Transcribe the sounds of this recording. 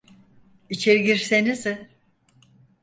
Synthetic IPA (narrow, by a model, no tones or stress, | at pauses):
it͡ʃʰeɾiɡiɾsenizɪ